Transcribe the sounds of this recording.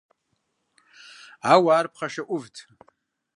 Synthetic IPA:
awaːrpʰχaʃaʔʷʊvtʰ

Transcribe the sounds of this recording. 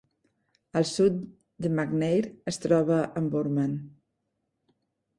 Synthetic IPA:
əlˠsut̪ | d̪əmaɡnejɾəst̪ɾɔβəʔəmbuɾman

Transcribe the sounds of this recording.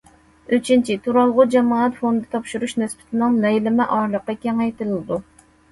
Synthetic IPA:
yt͡ʃʰint͡ʃʰit̪ʰuɾɑlˠʁʊd͡ʒɑmɑːt̪fond̪ɨt̪ʰɑpʃuɾuʃnɪsbɪ̥t̪ʰɪnɪŋlɛjlɪmɪʔɑɾlˠəqːɑkʲɛŋɛjt̪ɨlˠlɨd̪u

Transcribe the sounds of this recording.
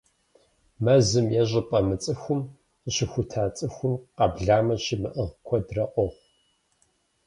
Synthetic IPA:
mɐzɨmjɛʑɪpʼɐmɨt͡sʼɨxʷʊm | qəɕɪxʷʊtʰaːt͡sʼɨxʷʊmqɐbɮaːmɐɕɪmɨʔəʁkʷʰɔdrɐʔʷɔʁʷ

